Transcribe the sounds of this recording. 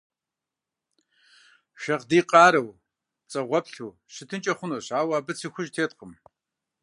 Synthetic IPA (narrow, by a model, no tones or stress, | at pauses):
ʃɐqdiːqʼɑːɾɐw | t͡sʼɐʁʷɔpɬuː | ɕɪtʰɨnt͡ʃʼɐχʷʊnoːɕaːwaːbɨt͡sʰiːxʷʊʒtʰeːtqəm